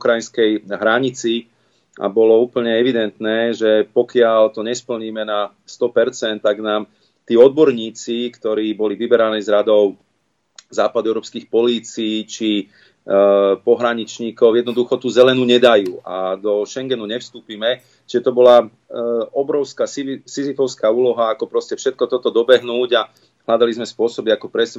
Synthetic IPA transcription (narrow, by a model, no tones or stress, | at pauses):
ukɾajinskɛjɦɾaɲit͡si | a̰bɔlɔuːpl̩ɲɛɛʋid̪ɛnt̪nɛːʒɛpɔkɪaʎt̪ɔɲɛspl̩ɲiːmɛna | st̪ɔpɛɾt͡sɛnt̪ːaɡnaːm | t̪iːɔd̪̚bɔɾɲiːt͡sikt̪ɔɾiːbɔliʋibɛɾaniːzɾad̪ɔʊ | zaːpad̪uɛʊɾɔːpskiːxpɔliːt͡siiːt͡ʃi | pɔɦɾaɲit͡ʃɲiːkɔʊjɛd̪nɔd̪uxɔt̪uːzɛlɛnuɲɛd̪ajuːʔad̪ɔʃɛŋɡɛnuɲɛfst̪uːpimɛ | t͡ʃiʒɛt̪ɔbɔla | ɔbɾɔʊskaːsisizifɔʊskaːuːlɔɦaːkɔpɾɔscɛfʃɛt̪̚kɔt̪ɔt̪ɔd̪ɔbɛɦnuːɟa | ɦlad̪alizmɛspʊɔsɔbiakɔpɾɛs